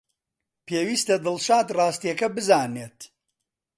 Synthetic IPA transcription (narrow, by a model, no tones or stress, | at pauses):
peːwiːst̪ɐd̪ɨlʃaːd̪raːst̪ijɐkɐbɨzaːneːt̪